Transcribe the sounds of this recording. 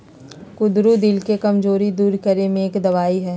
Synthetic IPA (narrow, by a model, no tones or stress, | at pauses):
kʊd̪ɾud̪ɪlkekɐmzoːɾid̪uːɾkɐɾemẽeːkd̪ɐʋaːiɦɛː